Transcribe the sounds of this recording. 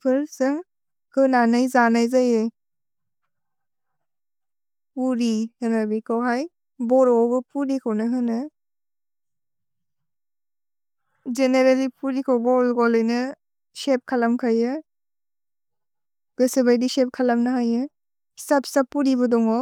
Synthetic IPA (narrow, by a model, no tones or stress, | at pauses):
pʰɯɾsɯŋ | hɯnanajzanajzajɯj | puɾihɯnabikʰawɦaj | bɔɾɔbɯpuɾikʰawnɯɦɯnɯ | zeneɾelipuɾikʰawbɔlɡɔlɯjnɯ | sep̚kʰalamkʰajɯ | ɡ̥ɯsɯbajdisep̚kʰalamnaɦajɯ | sap̚sapːuɾibɯdɔŋɔ